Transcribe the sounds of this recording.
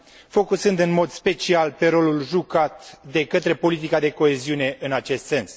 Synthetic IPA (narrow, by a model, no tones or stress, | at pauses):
fo̞kusɨnd̪ɨnmo̞d̪spe̞t͡ʃialpe̞ɾo̞lulʒukat̪d̪e̞kət̪ɾe̞po̞lit̪̬ikad̪e̞ko̞e̞ziune̞ʔɨnat͡ʃe̞st̪se̞ns